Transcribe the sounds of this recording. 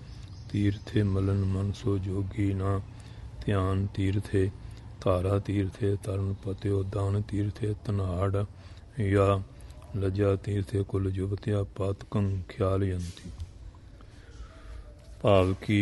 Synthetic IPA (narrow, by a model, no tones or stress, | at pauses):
t̪iːɾt̪ʰeːmələnmənsoːd͡ʒoːɡiːnãː | t̪ɪjaːnt̪iːɾt̪ʰeː | t̪ʰaːɾaːt̪iːɾt̪ʰeːt̪əɾənpət̪joːd̪aːnt̪iːɾt̪ʰeːt̪ənaːɽ | jaː | ləd͡ʒaːt̪iːɾt̪ʰeːkʊld͡ʒʊbt̪jaːpat̪kəŋkʰjaːljənt̪iː | paːʋkiː